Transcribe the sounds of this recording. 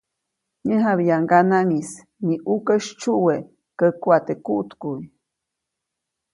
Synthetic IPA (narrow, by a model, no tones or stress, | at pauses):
ɲə̃ɦaβijaŋɡanaŋis | niʔukəʃt͡ʃuʔwe | kəkwat̪ekuʔt̪kuj